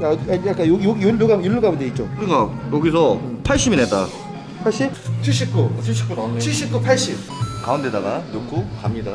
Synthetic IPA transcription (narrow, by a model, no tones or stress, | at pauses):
aajak͈ajoɡjoɡijoɭːuɡamjoɭːuɡaundeit̚t͡ɕ͈okɯɾikajoɡisʰʌpʰaɭɕ͈ibinɦet͈a̰ | pʰaɭɕ͈ip̚t͡ɕʰiɭɕ͈ip̚k͈ut͡ɕʰɕ͈ip̚k͈ut͡ɕʰiɭɕ͈ip̚k͈upʰaɭɕ͈ip̚kaundedaɡajok͈ʰokamɲida